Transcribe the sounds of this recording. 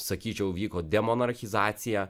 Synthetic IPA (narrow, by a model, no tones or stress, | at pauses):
sɐkʲiːt͡ʃʲɛʊʋʲiːkoːd̪ʲɛmonɐɾxʲɪzɑːt̪sʲɪjæ